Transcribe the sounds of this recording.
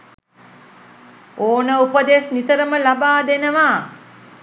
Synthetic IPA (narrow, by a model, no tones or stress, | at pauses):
oːnəupəd̪esnit̪əɾəməlabaːd̪enəʋaː